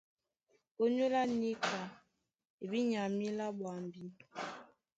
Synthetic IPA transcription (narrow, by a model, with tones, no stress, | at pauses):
o˦ɲo˦la˦ni˦kʰa˨ | e˨bi˦ɲa˨mi˦la˦ɓwa˨mbi˦